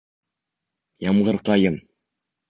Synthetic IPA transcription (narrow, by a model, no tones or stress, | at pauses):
jɑmʁɤ̆ɾqɑjɤm